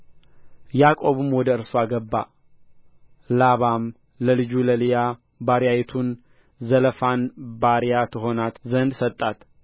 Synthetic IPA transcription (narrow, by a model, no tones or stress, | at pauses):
jakʼo̞βɨmwɔd̪əɨɾsoaɡəbːa̰ | laβam | ləlɨd͡ʒuləlija | baɾjajɛt̪ʰun | zələfanbaɾjat̪ʰɨɦo̞nat̪zənd̪sət̪ʼːat̪